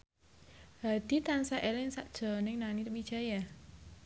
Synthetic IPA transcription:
had̪̥i̤t̪ansaʔelɪŋsaʔd̥ʒ̥ɔ̤nɪŋnaniɾəbi̥ʒ̥a̤ja

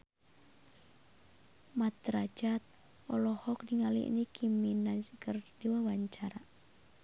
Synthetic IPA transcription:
mat̪ɾad͡ʒat̪̚ | ɔlɔhɔk̚diŋalḭḭnikʰiminad͡ʒkərdiwawaɲt͡ʃaɾa

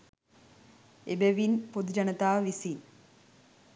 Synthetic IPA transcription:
ebeʋinpod̪d͡ʒɐnət̪aːʋisi

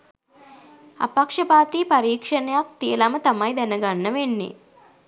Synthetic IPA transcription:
ɐ̰pɐkʂɐpaːt̪iːpɐɾiːkʂɐnɐjak̚t̪ijɐlɐmɐt̪ɐmɐjd̪ɛnɐɡɐnːɐʋenːḭ

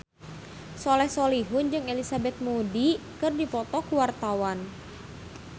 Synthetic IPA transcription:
sɔlɛhsɔliɦʊnd͡ʒɨŋelisabɛt̪̚mudikɨrdipɔt̪ɔkuwart̪awan

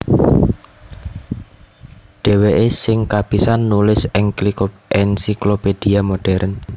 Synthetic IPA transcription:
ɖ̥ɛ̤weʔesɪŋkab̥i̤sanːulɪsɪŋklikoʔɛnsikloped̥iamoɖ̥ɛɾn

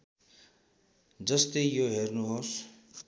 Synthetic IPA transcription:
d͡zəst̪ejoɦeɾnuɦos

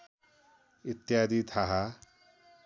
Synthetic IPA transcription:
it̪jaːd̪it̪ʰaɦa

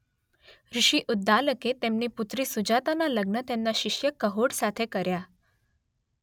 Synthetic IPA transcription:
ɾiɕiːʔud̪ːaləket̪emniput̪ɾisud͡ʑat̪analəɡnət̪enːaɕiɕjəkəɦoɽsat̪ʰekəɾja

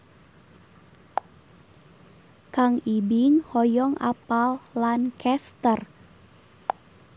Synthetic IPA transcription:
kaŋibiŋhɔjɔŋa̰palːankʰɛst̪ər

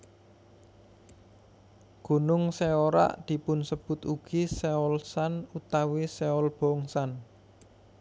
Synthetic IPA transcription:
ɡ̥ṳnʊŋseoɾa̰ʔd̪̥i̤pʊnsəb̥ʊ̤t̪uɡ̥iseɔlsanut̪awiseɔlb̥ɔŋsan

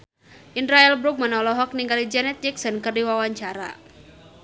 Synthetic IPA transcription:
ʔindɾaɛlbɾuk̚mənɔlɔɦɔk̚niŋɡalid͡ʒɛnɛt̪̚d͡ʒɛksənkərdiwawaɲt͡ʃaɾa̰

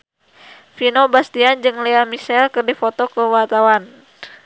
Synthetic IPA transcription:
finobast̪iand͡ʒɨŋleamiʃɛlkɨrdifɔt̪okəwart̪awan

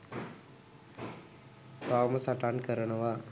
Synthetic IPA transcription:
t̪aːmɐsɐʈaːnkɐɾɐnɐʋaː

